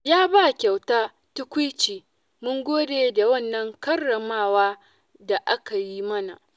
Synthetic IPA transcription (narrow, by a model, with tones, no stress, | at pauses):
jaː˦ba˦˨kʲa˨wtaː˦ | tʊ˦kʷʊ˦t͡ʃiː˨ | mʊ˦ŋɡʷoː˦deː˨da˨wɐ˦˨nːɐ˦ŋkɐ˦rːɐ˨maː˦waː˦ | da˨ʔa˦ka˨ji˦mɐ˦na˨